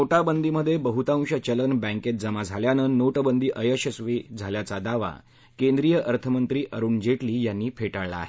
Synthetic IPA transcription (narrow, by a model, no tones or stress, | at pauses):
oʈabənd̪ʱiməd̪ʱːjebəɦut̪ãw̃ɕət͡ɕələnbɛ̃ŋket̪̚d͡zəmad͡zʱaljanənoʈbənd̪iːʔəjəɕəsʋid͡zʱaljat͡sad̪aʋa̰ | kend̪ɾijəʔəɾt̪ʰəmənt̪ɾiːʔəɾuːɳd͡ʑeʈliːjanːiːpʰeʈaɭla̰ːɦe